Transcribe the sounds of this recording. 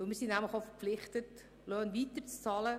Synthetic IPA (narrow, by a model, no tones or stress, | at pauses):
vɵlmiːɾsinnæmləχofəɾpflɪχtət | lœːnviːtət͡st͡sɑːlə